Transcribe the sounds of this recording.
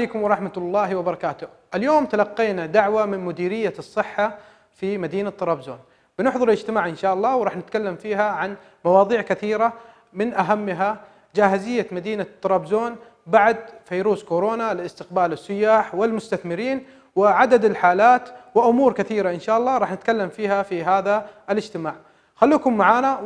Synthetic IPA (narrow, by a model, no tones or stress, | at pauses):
ejkʊmwɾˤɑħmalˤːɑːhwɪbɑɾˤɑkaːt̪ʊ | ʔɪljoːmt̪alɑqːiːnad̪aʕwamɪnmʊd̪iːɾɪjːasˤːɨħːa | fimad̪iːnat̪ːɑɾˤɑːbzo̰ːn | bɪnɪħðˤɑɾɪlɪd͡ʒt̪ɪmaːʕʔɪnʃaːʔɑlˤːɑːwɾˤɑːħnɪt̪kalːamfiːɦaʕan | mɑwɑːðˤiːʕkaθiːɾa | mɪnʔaɦamːɦa | d͡ʒaːɦɪzɪjːamad̪iːnat̪ːɑɾˤɑːbzoːn | baʕd̪fajɾuːskoɾoːnalɪlɪst̪ɪq̚baːlɪsˤːʊjːaːħwɪlmʊst̪aθmɪɾiːn | wɪʕad̪ad̪ɪlħaːlaːt̪wɪʔʊmuːɾkɪθiːɾaʔɪnʃaːʔɑlˤːɑːɾˤɑːħnɪt̪kalːamfiːhafiɦaːðaʔɪlɪd͡ʒt̪ɪmaːʕ | xalːuːkʊmːaʕaːna